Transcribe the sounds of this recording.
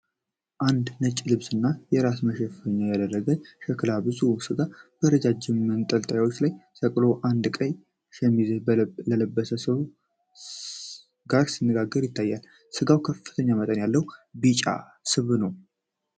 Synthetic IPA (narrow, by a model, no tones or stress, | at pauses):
ʔand̪nət͡ʃʼːlɨβsɨnːajɛɾasməʃɛffəɲːajad̪ərːəɡənʃɛkɨlabɨzusɨɡab̥əɾəd͡ʒad͡ʒɪmːɨnt̪ʼəlt̪ʼəjawo̞t͡ʃːlajsəkʼlo̞ʔand̪kʼəɲ | ʃɛmːizlələbːəsəsəβ | ɡaɾsinːəɡaɡːəɾjɪt̪ʰːajːal | sɨɡawkʰəfːɨ̥t̪ʰəɲːamət̪ʼənjalːəwbit͡ʃʼa̰ | sɨβnəw